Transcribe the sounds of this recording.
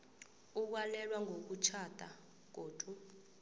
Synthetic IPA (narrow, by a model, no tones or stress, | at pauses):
uk̬walɛlwaŋʱok̬ut͡ʃʰad̥ʱʼa̰ | ɡ̥̬ʱoːd̥ʱu